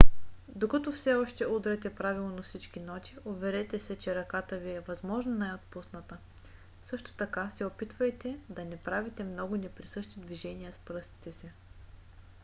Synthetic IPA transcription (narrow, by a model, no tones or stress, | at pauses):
d̪okɐt̪ɔfsɛɔʃt̪ɛud̪ɾɛt̪ɛpɾavilˠonɐfsit͡ʃkinɔt̪ʲiovɛɾɛt̪ɛsɛt͡ʃɛɾɐkat̪əviɛvɐzmɔʒnɐnaɛjot̪̚pusnət̪ə | sɤʃt̪o̥t̪ɐkasɛopit̪vəjt̪ɛd̪ɐnɛpɾavit̪ɛmnɔɡʊnɛpɾisɤʃt̪id̪viʒɛniəspɾɤst̪i̥t̪ɛsi